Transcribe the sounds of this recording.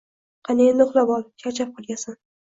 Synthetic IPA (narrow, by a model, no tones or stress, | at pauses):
qʰɑnenoχlˠabɒlˠkʲʰat͡ʃʰap̚qʰolˠɡʲasan